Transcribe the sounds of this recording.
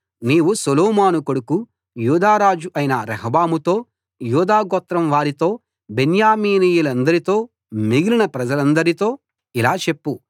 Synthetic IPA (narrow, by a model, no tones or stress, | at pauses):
niːʋusolɔːmaːnukoɽuku | juːd̪aːɾaːd͡ʒuʔɐjinɐɾɐɦɐbaːmut̪o̞ː | juːd̪aːɡɔt̪ɾɐmʋaːɾit̪o̞ː | be̞njaːmiːniːjulɐnd̪ɐɾit̪o̞ː | miɡilinɐpɾɐd͡ʒɐlɐnd̪ɐɾit̪o̞ː | ilaːt͡ʃe̞pːu